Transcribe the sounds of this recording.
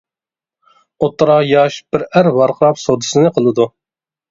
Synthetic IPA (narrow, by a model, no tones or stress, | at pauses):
ot̪ːɾɑjɑʃb̥ɪɾæɾvɑɾqʰəɾɑpsod̪ɨsɨnɨqʰəlˠɨd̪u